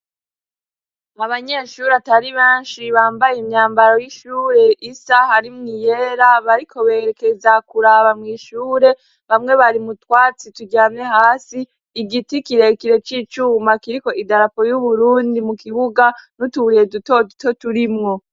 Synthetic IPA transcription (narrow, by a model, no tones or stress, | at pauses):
aβaɲe̞ʃuːɾataɾiβeːnʃiβaːmbajeimɲaːmbaɾo̞jiʃuːɾe̞ʔisahaɾimŋijeɾaβaɾikʰo̞βe̞ːɾeke̞zakuɾaːβamŋiːʃuːɾe̞ | βamŋe̞βaɾimutwaːt͡situɟaːmɲe̞haːsiː | ɡitikiɾe̞kiɾe̞t͡ʃiːt͡ʃuːmakiɾiko̞ʔidaɾapo̞juβuɾuːndimukiβuɡanutuuɾije̞dutodutʰo̞tuɾimŋo̞